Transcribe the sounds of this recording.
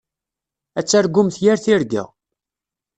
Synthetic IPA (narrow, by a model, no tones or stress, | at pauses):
æt͡sːæɾɡʊmθjaɾθiɾɡæ̰